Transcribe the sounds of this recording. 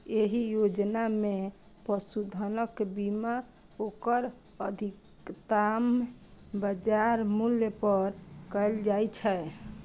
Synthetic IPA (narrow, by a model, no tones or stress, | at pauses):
eɦijod͡ʒname | pəsud̪ʱənəkbima | okəɾ | əd̪ʱik | t̪ambəd͡ʒaɾmuljəpəɾkəld͡ʒajt͡ʃʰɛ